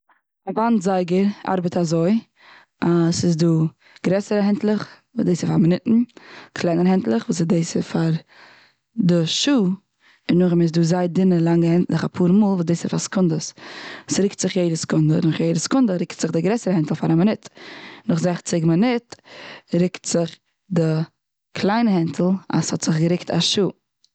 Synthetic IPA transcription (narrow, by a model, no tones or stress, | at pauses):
avantzaɪɡəɾa̰ɾbətazoɪ | ʔasɪsduː | ɡ̥ɾɛsəɾəɦɛntlˠəχvuːsdeɪsɪfaɾmɪnɪtn̩kʰlˠaɪnəɾhɛntlˠəχvuːsɪdeɪsɪfaɾ | dɪʃuː | ɪnːʊχɪmɪs̬duːzaɪdɪnəlˠaŋəhɛntlˠɪχapʰuːɾmuːlˠvuːsdeːsɪfaskʊndəssɾɪktz̥ɪχjeɪdəskʊndənʊχjeɪdəskʊndəɾɪktz̥ɪχdɪɡɾɛsəɾəhɛntl̩ˠfaɾamɪnɪtnʊχzɛχt͡sɪɡmɪnɪtɾɪktz̥ɪχ | dɪ | kʰlˠaɪnəhɛntʰl̩ˠa̰shɔtz̥ɪχɡəɾɪktʰa̰ʃuː